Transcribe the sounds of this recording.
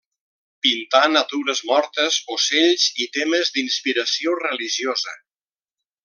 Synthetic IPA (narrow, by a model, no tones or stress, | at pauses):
pint̪anat̪uɾəzmɔɾt̪əzoseʎzit̪eməzd̪inspiɾəsiorəliʒiozə̰